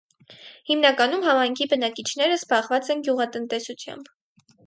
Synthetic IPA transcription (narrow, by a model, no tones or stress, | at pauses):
himnɑkɑnumɦɑmɑjŋkʰibənɑkit͡ʃʰnɛɾəzbɑʁvɑt͡sɛnɡjuʁɑt̪ənt̪ɛsut͡sʰjɑ̰mb